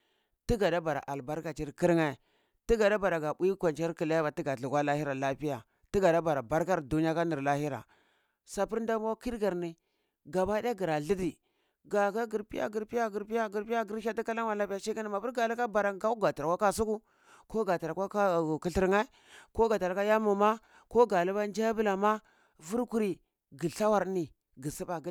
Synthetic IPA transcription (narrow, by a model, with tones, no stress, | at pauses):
ti˦ɡa˨da˦ba˨ɾa̰˨ʔa˨lba˦ɾka˨t͡ʃi˦ɾki˦ɾŋa˦˨ | ti˦ɡa˨da˦ba˨ɾa˨ɡa˨bu˦i˦kʷa˨nt͡ʃa˦ɾki˨la˦ja˦ba˨ti˦ɡa˨ɮu˨ɡʷwa˦la˦hi˦ɾa˨la˦pi˦ja˨ | ti˦ɡa˨da˦ba˨ɾa˨ba˦ɾka˦ɾdu˦ni˦ja˦ka˦ni˨ɾla˦hi˦ɾa̰˨ | sa˨pi˦ɾn˦da˦m˦wa˦ki˦ɾɡa˨ɾni˨ | ɡa˨ba˦da˦ɡi˨ɾa˨ɬi˦di˨ | ɡa˨ka˦ɡi˨ɾpi˦ja̰˦ɡi˨ɾpi˦ja˦ɡi˨ɾpi˦ja˦ɡi˨ɾi˦ja˦ɡi˦ɾa˦ti˦ka˦la˦ŋwa˨la˦pi˦a˦ʃi˦ka˦ni˨ma˨pu˦ɾɡa˨la˦ka˦ba˨ɾa˨ɡa˦u˦ɡa˨ta˨ɾa˨kʷwa˦ka˦s̬u˦ku˦ | ko˦ɡa˨ta˨ɾa˨ka˦a˦˨ki˨ɬi˦ɾŋa˦i˦ | ko˦ɡa˨ta˨ɾa˨ka˦ja˦mu˨ma˦ | ko˦ɡa˨lu˦ba˦n˦d͡ʒa˦bi˦la˨ma˦ | vu˦ɾku˦ɾi˨ | ɡi˨ɬa˦wa˨ɾni˨ | ɡi˨si˦ba˨˦